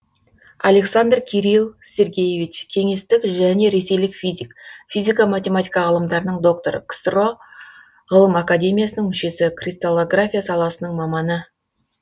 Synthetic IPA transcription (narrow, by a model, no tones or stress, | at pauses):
alʲe̞ksand̪rkʲʰeɾilˠsʲe̞ɾɡʲe̞jevʲit͡ʃkʲʰe̞ŋe̞st̪ɪkʒæne̞ɾe̞se̞jlɪkfʲizʲikfʲizʲijkamat̪ʲe̞mat̪ʲijkɑʁəlˠəmd̪ɑɾənəɴd̪o̞k̚t̪o̞ɾə̰kst̪ro̞ | ʁəlˠəmakadʲe̞mʲijasənəɴmʏʃe̞sɪkʰrʲist̪alˠoɡrafʲijasɑlˠɑsənəɴmɑmɑnə